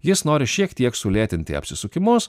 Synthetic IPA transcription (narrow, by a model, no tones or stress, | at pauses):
jɪsnoːɾʲɪʃʲiɛkt̪ʲiɛksʊlʲeːt̪ʲɪnʲt̪ʲɪ̰ɐ̰pʲsʲɪsʊkʲɪmʊs